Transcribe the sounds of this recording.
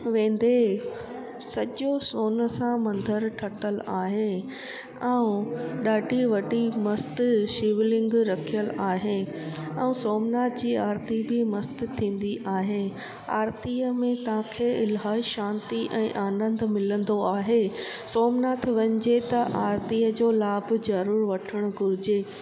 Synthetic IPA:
ʋẽːnd̪e | sɐʄosoːnə̆sãmɐ̃nd̪ʱəɾʈʰɐʈəlaːɦe | ɛ̃ũɗaːɖʱiʋɐʈimɐst̪ʃiːʋɪlɪ̃ŋɡɾɐkʰijəlaːɦe | ɛ̃ũsoːmnaːt̪ʰd͡ʑiːaːɾt̪ibɪmɐst̪t̪ʰːĩːn̆d̪iʔaːɦe | a̰ːɾt̪iːəmẽt̪ɐʋ̤ãkʰeːɪlɦaːiʃãːnt̪iʔɛ̃ːʔaːnə̃nd̪ʱmɪlə̃nd̪oaːɦe | soːmnaːt̪ʰʋɐɲd͡ʑet̪ɐʔaːɾt̪iːəd͡ʑoːlaːbzɐɾuːɾʋɐʈʰəɽ̃ʊ̆ɡʊɾɪd͡ʑeː

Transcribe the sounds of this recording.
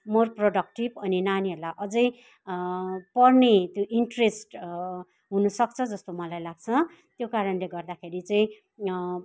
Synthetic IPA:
morproɖʌk̚ʈibʌninaniɦolaʔʌd͡zʌj | pʌrnet̪joʔiɳʈresʈ | ɦunʌsʌk̚t͡sʰʌd͡zʌst̪omʌlajlaɡt͡sʰʌ | t̪jokaɾʌnleɡʌrd̪akʰeɾit͡sʌĩ

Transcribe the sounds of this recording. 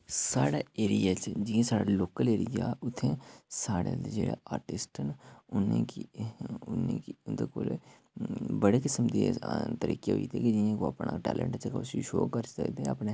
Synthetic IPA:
saːɽaːeːɾijaːt͡ʃd͡ʒɪẽːsaːɽaːloːkəleːɾɪjaːʊt̪ʰːẽːsaːɽḛd̪d͡ʒeːɽa̰aːɾʈɪsʈənʊnẽkiʊnekid̪eːkoːl | bəɽeːkɪsəmd̪it̪əɾḭːkḛɦo̰ḭt̪ʰiːkid͡ʒiãːkoapna̰ːʈɛ̰ːlʔə̰ɳʈt͡ʃːkʊsiʃo̰ːkəɾsə̰kd̪eəpneː

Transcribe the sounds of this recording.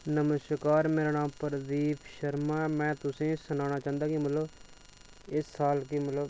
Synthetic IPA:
nəməskaːɾmeːɾaːnãːmpəɾd̪iːpʃəɾmaːmɛ̃ːt̪ʊsẽːsʊnaːñaːt͡ʃãːnd̪aːkiːməlːoː | ɪsːaːlkiːməlo

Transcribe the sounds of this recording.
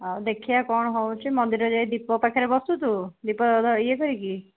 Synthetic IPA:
ad̪ekʰijakɔɳ̃ɔɦowt͡ʃʰimɔnd̪iɾɔd͡ʒad̪ipɔpakʰaɾebɔst̪ut̪ʰud̪ipɔɔd̪ʱaəjekɔɾiki

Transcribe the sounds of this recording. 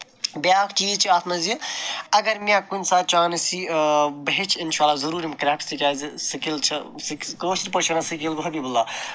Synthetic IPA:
bjaːkʰt͡ʃiːzt͡ʃʰiaːt̪ʰmɐziɐɡɐɾmʲjãkunʲsaːt͡ʃaːnesibɐɦet͡ʃʰinʃaːlːaːzɐɾuːɾimkɾʲaːpst̪ikʲaːzsɐkilt͡ʃʰɐ | skkoːsɾʲpɐt͡ʃʰɐnasɐkilɡuɦɐbiːbulːaː

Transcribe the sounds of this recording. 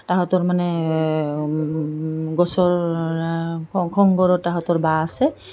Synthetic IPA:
taɦɔtɔɹmanɛ | ɡɔsɔɹ | kʰɔŋɡɔɹɔtaɦɔtɔɹbaasɛ

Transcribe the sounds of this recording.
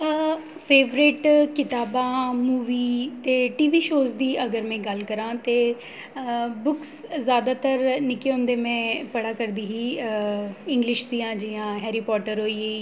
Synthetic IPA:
pʰeːʋɾɪʈkɪt̪aːbãːmuːʋiːt̪eːʈiːʋiːʃoːzd̪iːʔəɡəɾmɛ̃ːɡəlkəɾãːt̪eː | bʊkszjaːd̪aːt̪əɾnɪkeɦʊ̃nd̪eːmɛ̃ːpəɽaːkəɾd̪iːɦiː | ɪ̃ŋɡlɪʃd̪iːãːd͡ʒɪjãːɦɛːɾiːpɔːʈəɾɦoːiːe

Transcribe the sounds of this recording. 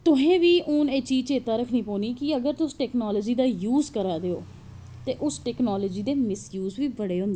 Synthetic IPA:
t̪ʊɦẽːʋiːʔʊːneːt͡ʃiːzt͡ʃeːt̪aːɾəkʰniːpoːniːkɪəɡəɾt̪ʊsʈɛːknaːləːd͡ʒiːd̪aːjuːzkəɾaːd̪eo̰ː | t̪eːʔʊsʈɛːknaːlɔːd͡ʒiːd̪eːmɪsjuːzʋiːbəɽeːɦʊ̃nd̪eː

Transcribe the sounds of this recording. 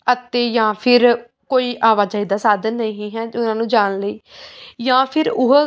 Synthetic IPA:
ət̪eːjãːpʰɪɾ | koːiːʔaːʋaːt͡ʃaːiːd̪aːsaːd̪ənːəɦĩːɦɛːʊnãːnũːd͡ʒaːnləiːjãːpʰɪɾʊɦ

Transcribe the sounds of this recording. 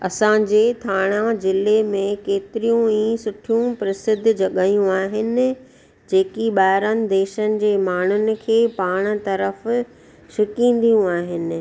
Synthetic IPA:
ɐsãd͡ʑeːt̪ʰaːɽ̃ãzɪlemẽkeːt̪ɪɾijũĩːsʊʈʰijũpɾɐsɪd̪ʱːd͡ʑɐɠaːjũaːɦɪnɪ | d͡ʑeːkiɓaːɾənɪ̆d̪eːʃənɪ̆d͡ʑeːmaːɳ̤ʊnɪ̆kʰeːpaːɽ̃̆t̪ɐɾəf | ʃʊkĩːn̆d̪ijũaːɦɪnɪ̆

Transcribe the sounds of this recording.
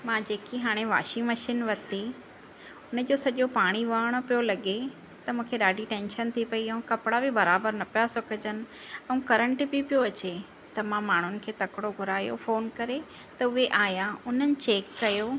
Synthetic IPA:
mãːd͡ʑeːkiɦaːɽ̃eʋa̰ːʃĩmɐʃiːnʋɐt̪e | ʊnə̆d͡ʑoːsɐʄopaːɽ̃iʋaːɽ̃opijolɐɠe | t̪ɐmũːkʰeɗaːɖʱiʈɛ̃ːnʃənt̪ʰipɐiɐũkɐpɪɽabɪbɐɾaːbəɾnɐpijasɐkəd͡ʑənɪ̆ɛ̃ũkɐɾə̃ɳʈɪbipijoɐt͡ɕe | t̪ɐmãmaːɳ̤ʊnɪ̆kʰeːt̪ɐkɪɽoɡʱʊɾaːjo̰foːnkɐɾe | t̪ɐʊɦeʔaːjãʊn̤ənɪ̆t͡ɕeːkːɐjoː

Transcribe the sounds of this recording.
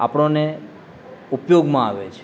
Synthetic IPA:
a̰pɽ̃one | upjoɡmãaʋet͡ʃʰe̥

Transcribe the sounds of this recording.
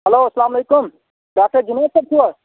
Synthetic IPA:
ɦɐloːɐslaːmɐleːkʊm | ɖaːk̚ʈəɾd͡ʒɪneːsɐb̚t̪ʰuə

